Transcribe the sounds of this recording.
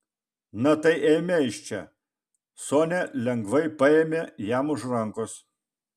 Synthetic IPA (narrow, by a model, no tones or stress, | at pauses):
nɐt̪ɐɪʔɛːmʲɛɪʃʲt͡ʃʲɛ | soːnʲɛlʲɛŋɡʋɐɪpɐeːmʲeːjæmʊʒɾɐŋkʊs